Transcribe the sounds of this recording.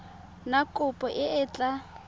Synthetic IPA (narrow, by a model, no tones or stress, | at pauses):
nakʼʊpʼɔʔɪɪːt͡ɬʼa